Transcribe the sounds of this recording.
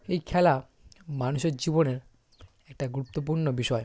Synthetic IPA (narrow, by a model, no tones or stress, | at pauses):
ejkʰɛla | manuʃeɾd͡ʑiboneɾ | ɛk̚ʈaɡuɾut̪ːop̬uɾnobiʃɔe